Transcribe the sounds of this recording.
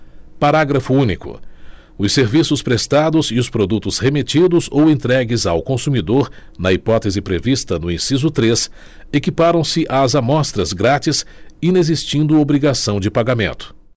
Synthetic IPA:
paɾaɡɾɐfʊũnikʊ̰ | ʊsːeɾvisʊspɾest̪ad̪ʊzɪʊspɾod̪ut̪ʊzhemet͡ʃid̪ʊzowẽnt̪ɾɛɡɪza̰wkõsumid̪oɾ | nɐipɔt̪ezɪpɾevist̪ɐnʊĩsizʊt̪ɾes | ekipaɾɐ̃w̃sɪʔazamɔst̪ɾɐzɡɾat͡ʃisinezist͡ʃĩnd̪ʊobɾiɡasɐ̃w̃d͡ʒɪpaɡamẽnt̪ʊ̥

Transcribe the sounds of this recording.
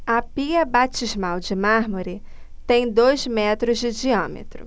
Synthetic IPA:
ɐpiɐbat͡ʃizmawd͡ʒɪmaɦmoɾɪ | t̪ẽj̃d̪ojzmɛt̪ɾʊzd͡ʒɪd͡ʒiɐ̃mḛt̪ɾʊ̰

